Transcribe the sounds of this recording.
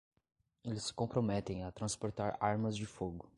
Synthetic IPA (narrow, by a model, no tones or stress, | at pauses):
elɪsɪ̥kõpɾomɛt̪ẽj̃ɐt̪ɾɐ̃spoɾt̪aɾaɾmɐzd͡ʒɪfoɡʊ